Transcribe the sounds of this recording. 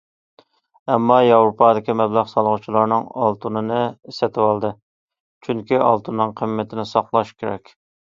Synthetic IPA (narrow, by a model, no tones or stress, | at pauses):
ɛmːɑjɑwɾupʰɑd̪ɪkʲimɛblæʁsɑlˠʁʊt͡ʃʰilˠɑɾnɨŋɑ̰lˠt̪ʰunɨnɨisɛt̪ʰɪwɑlˠd̪ɨ | t͡ʃʰyŋkʲiʔɑ̰lˠt̪ʰunːɨŋqʰəmːɪt̪ʰɪnɪsɑqlˠɑʃkʲʰeɾɛ̰kʲ